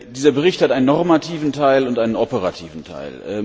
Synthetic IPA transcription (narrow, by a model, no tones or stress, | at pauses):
d̥iːzɐbəʁɪçthatʔaɪnənːɔʁmatʰiːvn̩tʰaɪlʊntaɪnənʔɔpəʁa̰tʰiːvn̩tʰa̰ɪlʔɛ̰